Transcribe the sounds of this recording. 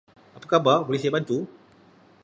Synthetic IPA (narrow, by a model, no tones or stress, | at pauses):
apakabapolisiabant̪u